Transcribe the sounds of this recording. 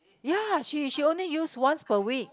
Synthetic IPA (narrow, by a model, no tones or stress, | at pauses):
jaʃiʃiõnlijuswʌ̃nspəwik̚